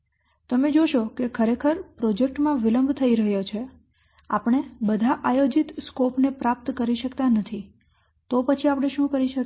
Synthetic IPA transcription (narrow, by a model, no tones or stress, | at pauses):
t̪əmed͡ʒoʃokekʰəɾekʰəɾpɾɔd͡ʒek̚ʈmãʋiləmbʱt̪ʰəiɾəɦjot͡ʃʰe | a̰pəɳ̃ebəd̪ʱaʔajod͡ʒit̪skopnepɾap̚t̪kəɾiʃəkt̪anət̪ʰi | t̪opət͡ʃʰiapəɽ̃eʃũkəɾiʃə